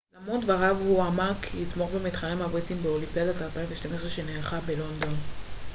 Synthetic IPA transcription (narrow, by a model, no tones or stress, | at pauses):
lamodvaʁavhuamakʰhitmo̞χbemit̪χalemabʁit͡simbeolimped̪atalpaiɱveʃtameʃʁeʃeneːχabelo̞nd̪o̞n